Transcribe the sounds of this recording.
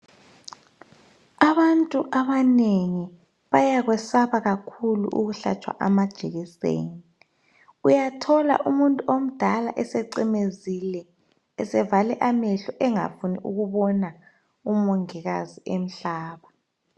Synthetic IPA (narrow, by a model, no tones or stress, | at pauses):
aβantʼuʔaβaneŋi | βajaɣwɛsaβaɣakʰulṵʔuɣuɬa̰t͡ʃʼwa̰ʔamad̥ʒ̥ʱeɣisḛːni | ujatʰɔla̰ʔumuntʼuom̩d̥ʱala̰ʔɛsɛǀimezilɛ | ɛsɛvalɛʔamɛɬɔʔɛŋa̰funiʔuɣuβɔna | umuŋiɣa̰ziʔem̩ɬaːβa